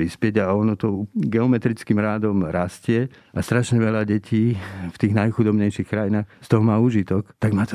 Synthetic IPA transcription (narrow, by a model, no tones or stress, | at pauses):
ɾispɪɛɟaɔnɔt̪ɔuɡɛɔmɛt̪ɾit͡skimɾaːd̪ɔmɾascɪɛ | ʔast̪ɾaʃɲɛʋɛlaɟɛcʰiːft̪iːɣnajxud̪ɔbɲɛjʃiːxkɾajinaːxst̪ɔɦɔmaːuːʒit̪ɔkt̪aɡmaːt̪